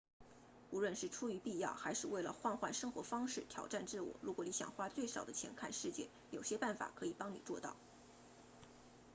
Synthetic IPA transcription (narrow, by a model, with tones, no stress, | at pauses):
u˧˥lwə˥˧nʂɻ̩˥˩ʈ͡ʂʰu˥y˧˥pi˥˧jɑ˥˩ʊxa˧˥ɪʂɻ̩˥˧we˥˩ɪlə˩xwa˥˧nxwa˥˩nʂɤ˥ŋxwɔ˧˥fɑ˥ŋʂɻ̩˥˩t̪ʰjɑ̰˨˩ʊʈ͡ʂa˥˧nʈ͡ʂɻ̩˥˩wɔ̰˨˥˩ɻu˧˥kwɔ˨˩ni˧˥ɕjɑ̰˨˩ŋxwa˥t͡swe˥˩ɪʂɑ˨˩ʊd̪ə˦t͡ɕʰjɛ˧˥nkʰa˥˧nʂɻ̩˥˧t͡ɕjɛ̰˥˩ | jo˨˩ʊɕjɛ˥pa˥˩nfa̰˨˩kʰɤ˧˥i˨˩pɑ˥ŋnḭ˨˩t͡swɔ˥˧t̪ɑ̰˥˩ʊ